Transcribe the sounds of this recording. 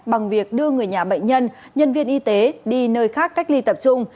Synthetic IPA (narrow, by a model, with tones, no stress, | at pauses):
ɓa˨˩ŋvi˨˩ək̚ɗɨ˧əŋɨ˨˩əjɲaː˨˩ɓə̰˧˨ŋ̟ɲə˧n | ɲə˧nvi˧ənʔi˧t̪e˨˦ɗi˧nəː˧jxaː˦˥k̚kːa˦˥jk̟̚li˧t̪ə˨˩p̚t͡ɕʊ˧ŋ͡m